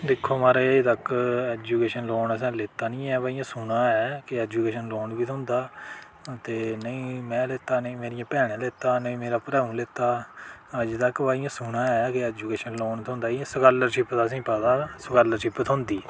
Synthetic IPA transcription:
d̪ɪkʰːoːmaːɾeːt̪əkɛːd͡ʒuːkeːʃənloːnəs̬ɛ̃ːlɪt̪aːnĩːɛːbaːijãːsʊnaːɛːkɪɛːd͡ʒuːkeːʃənloːɳbiːɦʊ̃nd̪aː | t̪eːnəĩːmɛ̃ːleːt̪aːnəĩːmeːɾɪjãːpɛːɽ̃ẽːleːt̪aːnəĩːmeːɾaːpɾɛːũːleːt̪aːəd͡ʒt̪əkːʋaːijãːsʊnaːɛːkɪɛːd͡ʒuːkeːʃənloːɳt̪ʰʊ̃nd̪aːĩsəkaːləɾt͡ʃɪpt̪aːs̬ĩːpəd̪aːsəkaːləɾt͡ʃɪpt̪ʰʊ̃nd̪iː

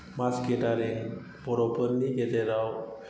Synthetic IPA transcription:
maskeʈaɾe | bɔɾɔpəɾniɡet̪eɾaw

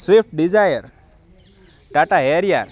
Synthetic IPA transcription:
sefʈ̚ɖizajəɾ | ʈaʈaɦeɾija̰ɾ

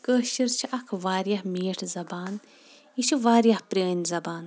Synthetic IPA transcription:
kəːʃiɾt͡ʃʰiɐkʰʋaːɾjɐhmiːʈʰzɐbaːn | it͡ʃʰiʋaːɾjɐhpɾʲeːnʲzɐbaːn

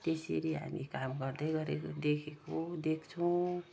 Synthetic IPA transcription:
t̪eseɾiɦa̰mikamɡʌrd̪ʌjɡʌɾekod̪ekʰekod̪ekʰt͡sʰʌw̃

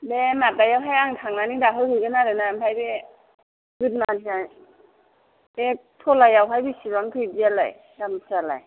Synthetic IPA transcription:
bematajawɦajaŋtʰaŋnanidaɦɯjhɯjɡɯnaɾɯnampʰajbe | ɡɯt̚matʰina | betʰɔlajawɦajbisibaŋtʰɯjbiala̰j | damsala̰j

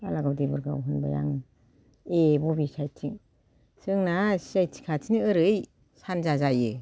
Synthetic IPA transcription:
alaɡawdibɯɾɡa̰wɦɯnba̰ja̰ŋ | ebɔbisajtʰiŋ | sɯŋnassajtʰi̥kʰatʰiniɯɾɯj | sanzazajɯ

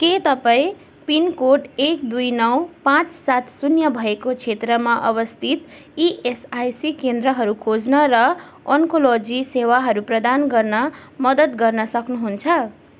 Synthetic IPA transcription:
ket̪ʌpaĩ | pinkoʈekd̪ujnʌwpãt͡ssat̪sunjʌbʱʌekot͡sʰet̪rʌmaʔʌbʌst̪ʰit̪ | iʔesajsikend̪ɾʌɦʌɾukʰod͡znʌɾʌ | ʌŋkolod͡zisewaɦʌɾuprʌd̪anɡʌrnʌmʌd̪ʌt̪ɡʌrnʌsʌknuɦunt͡sʰʌ

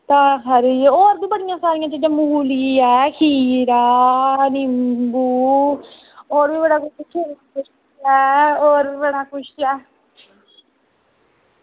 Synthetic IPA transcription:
t̪ãːɦəɾoːɾd̪ũːbəɽɪjãːsaːɾɪjãːt͡ʃ̪ed͡ʒə̃muɦuːliːɛːkʰiːɾaːnɪmbuː | oːɾbiːbəɽaːkʊt͡ʃːkʰeːɾkʊʃ | ɛːoːɾbəɽaːkʊʃɛː

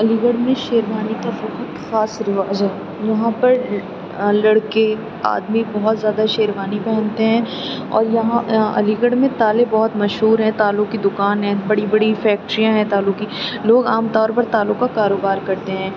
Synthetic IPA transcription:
ɐliːɡəɽmẽʃeːɾʋaːnikasʊkət̪xaːsɾɪʋaːzɛ | jɐɦãpɐɾ | lɐɽke | a̰ːd̪mibɔɦʊt̪zjaːd̪aʃeːɾʋaːnipɛɦɛ̃nt̪eɦɛ̃ː | ɔ̰ːɾjɐɦãɐ̰liːɡəɽmẽt̪aːlebɔːʊt̪mɐʃɦuːɾɦɛ̃t̪aːlʊkid̪ʊkaːnɦɛ̃bɐɽibɐɽifɛːk̚ʈɾijãɦɛ̃t̪aːlʊkiloːɡaːmt̪ɔːɾpɐɾt̪aːlʊkakaːɾoːbaːɾkɐɾt̪eɦɛ̃ː

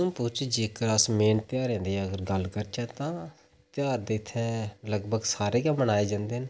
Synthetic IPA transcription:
ʊ̃ːpʊːt͡ʃd͡ʒekəɾasmeːnt̪ɪjaːɾɛ̃ːnd̪eːɛːəɡəɾɡəlkəɾt͡ʃɛ̃ːt̪ãː | t̪ɪjaːɾd̪eːɪt̪ʰːɛ̃ːləɡbʱəɡsaːɾeːkãːmənaːeːd͡ʒãːnd̪eːn

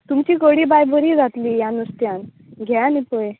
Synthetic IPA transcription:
t̪umt͡ɕiːkəɽiːbajbʱəɾiːd͡zat̪liːjanust̪jãn | ɡʱanipəj

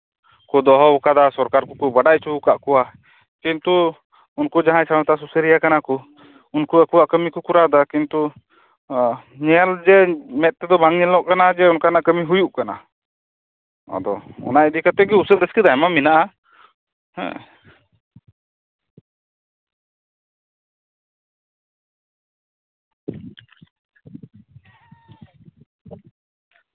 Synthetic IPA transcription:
kɔd̪ɔɦɔukad̪asɔɾkaɾkɔkɔbaɖajt͡ʃuukaʔkɔwa | kint̪u | unkud͡ʒaɦãjsaɽɔ̃t̪aʔs̬usəɾijakanakɔ | unkuakuwaʔkəmikɔkuɾad̪akint̪u | ɲɛld͡ʒɛmɛt̪̚t̪ɛd̪ɔbaŋɲɛlɔʔkanad͡ʒɛɔnkanaʔkəmiɦujuʔkana̰ | a̰d̪ɔ̰ɔ̰najd̪ikat̪ɛɡiusəld̪ɛskid̪ajmaminaʔa | hɛ̰̃

